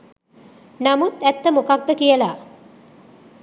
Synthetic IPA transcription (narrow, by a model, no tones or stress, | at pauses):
namut̪æt̪ːəmokak̚d̪əkijəla